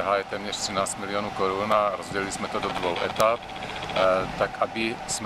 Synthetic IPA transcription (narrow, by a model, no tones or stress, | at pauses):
ɦaːjɛt̪ɛːmɲɛr̥t̪r̥inaːst͡smilioːnuːkɔɾunaɾɔzɟɛlilismɛt̪ɔd̪ɔd̪ʋoʊʔɛ̰t̪ap̚ | t̪akabism